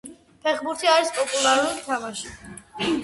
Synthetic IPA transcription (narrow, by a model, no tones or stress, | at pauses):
pʰɛχbuɾt̪ʰiaɾispʼɔpʼulaɾulit̪ʰamaʃi